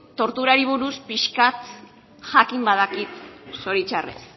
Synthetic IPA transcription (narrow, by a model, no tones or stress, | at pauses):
t̪o̞ɾt̪uɾaɾiβ̞uɾuspiʃkat̪ | ʝakimbaðakit̪so̞ɾit͡ʃarḛs